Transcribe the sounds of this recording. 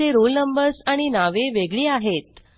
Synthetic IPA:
eɾolnəmbəɾsaɽ̃inaʋeʋeɡɭiːaɦet̪̚

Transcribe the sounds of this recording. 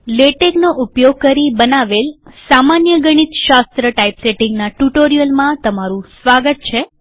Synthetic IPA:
leʈeɡnoʔupjoɡ̚kəɾibənaʋelsamanjəɡəɽ̃it̪ʃast̪ɾəʈaipseʈiŋɡnaʈuʈoɾijəlmãt̪əmaɾũsʋaɡət̪̚t͡ʃʰe

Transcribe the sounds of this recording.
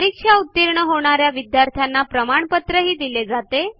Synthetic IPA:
ɾikʂaut̪ːiɾɳəɦoɽ̃aɾjaʋid̪jaɾt̪ʰjanːapɾəmaɳpət̪ɾəɦiːd̪iled͡zat̪e

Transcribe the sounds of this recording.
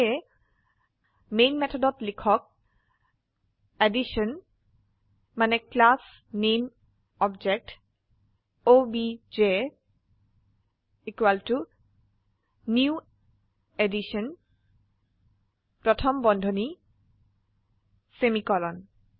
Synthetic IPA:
menmɛt̪ʰɔdɔt̪likʰɔk̚ | eɖiʃɔn | maneklas | nem | ɔbd͡ʒek̚ʈ | obid͡ʒe | ikwaltu | niu | eɖiʃɔn | pɹɔt̪ʰɔmbɔndʱoni | semikɔlɔn

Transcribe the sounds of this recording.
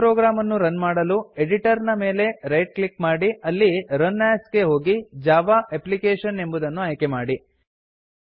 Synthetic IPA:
ɾoːɡɾaːmɐnːuɾɐnmaːɽɐlue̞ɖiʈɐɾnɐme̞ːle̞ɾɐjʈ̚klikmaːɽiɐlːiɾɐnːaːsɡe̞ɦo̞ːɡid͡ʒaːʋaeplikeːʂɐne̞mbud̪ɐnːuɐjkemaːɽi

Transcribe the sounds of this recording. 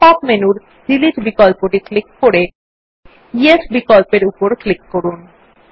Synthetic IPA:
papmenuɾ | dilid͡ʑbikɔlpoʈiklikːoɾe | iesbikɔlpeɾupoɾklikːoɾun

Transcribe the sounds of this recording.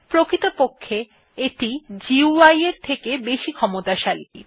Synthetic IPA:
pɾokɾit̪opokʰːe | eʈid͡ʑiuajeɾt̪ʰekebeʃikʰɔmot̪aʃalḭ

